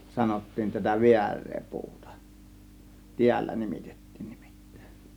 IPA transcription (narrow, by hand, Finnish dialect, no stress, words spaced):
sɑnotːiːn tætæ ʋiærˑeː puːtɑ̥ tiælːæ nimitetːi̥ːn̥ n̥i̥m̥i̥tːæ̥e̞n̥